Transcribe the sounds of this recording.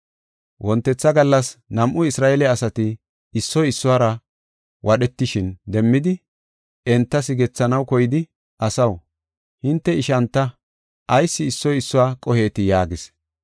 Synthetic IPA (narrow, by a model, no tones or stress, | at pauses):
wʔɔnt̪ːɛt͡sːɐɡɐlːɐsnɐmʔʊɪsɾaːelɛɐsɐt̪ɪː | sːɔjɪsːʊwaːɾɐ | wʔɐɗɛt̪ːɪʃɪnd̪ɛmːɪd̪ɪ | ɛnt̪ːɐsɪɡɛt͡sːɐnɐwkɔjɪd̪ɪ | ʔɐsɐw | hɪnt̪ːɛɪʃɐnt̪ːɐ | ʔɐjsːɪːsːɔjɪsːʊwaːkʼɔhe̞ːt̪ɪjaːɡɪs